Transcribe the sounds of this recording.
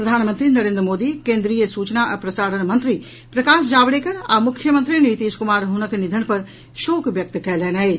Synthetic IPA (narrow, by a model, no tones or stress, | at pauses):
pɾɐd̪ʱaːnmə̃nt̪ɾinɐɾẽnd̪ɾəmoːd̪ikẽːnd̪ɾijəsuːt͡ʃnaʔɐpɾɐsaːɾənmɐ̃nt̪ɾi | pɾɐkaːsd͡ʒaːbɽeːkəɾa̰ːmʊkʰːjəmənt̪ɾinit̪iːskʊmaːɾɦunəknɪd̪ʱənpɐɾ | ʃoːkʋjɐk̚t̪kɛlɛːnaɦe